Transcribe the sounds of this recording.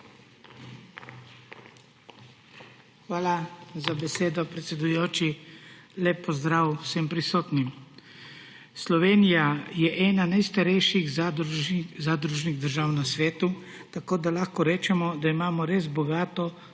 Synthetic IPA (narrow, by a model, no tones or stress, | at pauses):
xʋaːlazabɛseːd̪ɔpɾɛt̪sɛd̪ujoːt͡ʃilepːɔzd̪ɾaːwsɛmpɾisoːt̪nim | slɔʋeːnijajɛʔɛːnanajst̪aɾɛjʃiɣ | zaːd̪ɾuʒniɣd̪əɾʒaːwnasʋɛːt̪u | t̪akoːd̪alaxkɔɾɛːt͡ʃɛmɔd̪aimaːmɔɾeːzbɔɡaːt̪ɔ